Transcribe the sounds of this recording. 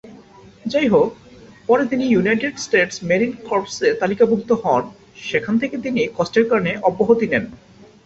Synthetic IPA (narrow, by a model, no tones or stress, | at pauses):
d͡ʑajɦok̚pɔɾet̪inijunajʈeɖsʈeʈsmeɾinkoɾpseɾt̪alikabʱukt̪ohɔn | ʃekʰant̪ʰeket̪inikɔsʈeɾkaɾneʔɔbːoɦot̪inen